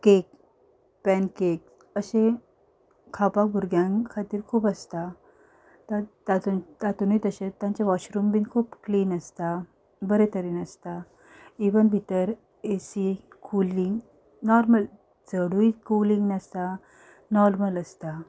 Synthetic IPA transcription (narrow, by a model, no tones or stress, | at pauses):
kek̚ | pɛnkek̚ | əɕẽ | kʰapak̚bʱuɾɡjãŋkʰat̪iːɾkʰuːpəst̪a | t̪at̪at̪ut̪at̪unit̪əɕẽt̪jãɲt͡ɕaʋaɕɾumbinkʰuːpkliːnəst̪a | bəɾet̪əɾiːnəst̪a | iʋənbʱit̪əɾ | esi | kʰuliŋɡ | nɔɾməl | t͡səɽuikulĩŋɡnəst̪a | nɔɾmələst̪a